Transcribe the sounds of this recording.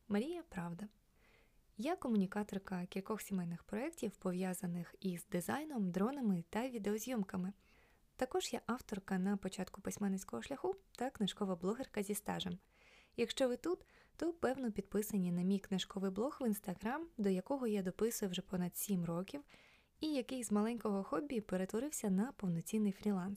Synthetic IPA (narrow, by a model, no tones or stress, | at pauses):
mɐɾʲijɐpɾɑwd̪ɐ | jakːɔmʊnʲikɑt̪ɔrkɐkʲilʲkɔxsʲimɛjnɪxpɾɔɛktʲiwpɔʋʲjazɐnɪxizd̪ɪzajnɔmd̪ɾɔnɐmɪt̪ɐʋʲid̪eɔzʲjɔmkɐmɪ | t̪ɐkɔʒ̥jaʔɑwt̪ɔrkɐnɐpɔt͡ʃɑt̪kʊpɪsʲmɛnːɛsʲkɔɦɔʃlʲɐxut̪ɐknɪʃkɔʋɐblˠɔɦerkɐzʲist̪ɑ̰ʒɛm | jɐkʃt͡ʃɔʋɪt̪ut̪t̪ɔpɛwnɔpʲid̪̚pɪsɐnʲinɐmʲijknɪʃkɔʋɪjblˠɔxʋinst̪ɐɦɾamd̪ɔjɐkɔɦɔjad̪ɔpɪsʊjɛwʒɛpɔnɐd̪sʲimrɔkʲiw | ijɐkɪjzmɐlˠɛnʲkɔɦɔxɔbʲːipeɾet̪ʋɔɾɪwsʲɐnɐpɔwnɔt͡sʲinːɪjfɾʲilˠɑns